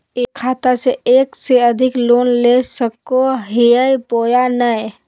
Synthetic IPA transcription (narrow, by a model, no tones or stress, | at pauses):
ekʰːaːt̪aseeːkseəd̪ʱɪkloːnlesəkoɦiəjpoːjanəj